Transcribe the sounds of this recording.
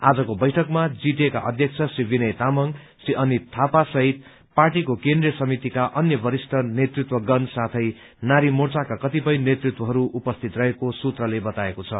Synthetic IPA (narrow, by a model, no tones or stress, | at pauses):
a̰d͡zʌkobʌjʈʰʌkmad͡ziʈeka̰ʔʌd̪ʱjʌk̚t͡sʰʌsibʱinʌjt̪amʌŋ | siʔʌnit̪ʰːapasʌɦit̪ | parʈikokend̪rijʌsʌmit̪ikaʔʌnjʌbʱʌɾisʈʰʌnet̪rit̪wʌɡʌnsat̪ʰʌj | naɾimort͡sakakʌt̪ipʌjnet̪rit̪wʌɦʌɾuʔupʌst̪ʰit̪rʌɦekosut̪rʌlebʌt̪aekot͡sʰʌ̰